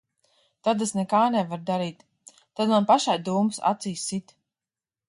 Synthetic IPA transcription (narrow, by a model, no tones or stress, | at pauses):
t̪ad̪esnɛkaːnɛvaɾd̪aɾiːt̪ː | ad̪manpaʃajd̪uːmɨsa̰t̪ziːsit̪